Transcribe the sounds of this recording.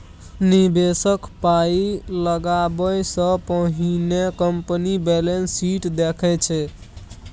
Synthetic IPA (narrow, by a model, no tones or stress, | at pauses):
nibesəkpailəɡabəjsə̃pəɦinekəmpənibelensiʈd̪ekʰɛt͡ʃʰɛ